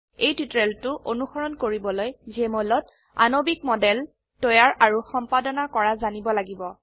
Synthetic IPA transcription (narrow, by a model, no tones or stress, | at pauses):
ejtitɹɛltʊʔonuxɔɹɔnkoɹibɔlojzɛmɔlɔt | a̰nobik̚mɔdɛl | tɔjaɹʔaɹuxɔmpadɔnakɔɹazanibɔlaɡibɔ